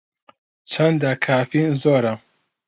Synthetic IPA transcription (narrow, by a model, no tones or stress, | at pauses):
t͡ʃʰɐnd̪akʰaːfinzoːɾa